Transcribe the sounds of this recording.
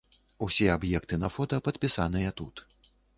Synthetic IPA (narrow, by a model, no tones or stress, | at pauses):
usʲɛabjɛkt̪ɨnɐfɔt̪ɐpɐt̪pʲisanɨjɐt̪ut̪